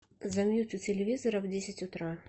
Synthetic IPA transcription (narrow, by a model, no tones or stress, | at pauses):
zɐmʲjut͡sʲʊtʲɪlʲɪvʲizɐɾəvdʲesʲɪtʲʊt̪ɾa